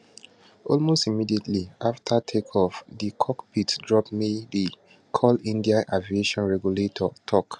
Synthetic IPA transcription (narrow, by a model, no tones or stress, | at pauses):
ɔlmostimidietʰliʔaftʰatʰekʰɔfdikʰɔkpʰitdɹɔpmedi | kʰɔlĩndiãʔavieʃɔ̃nɹɛɡjuletʰɔtʰɔk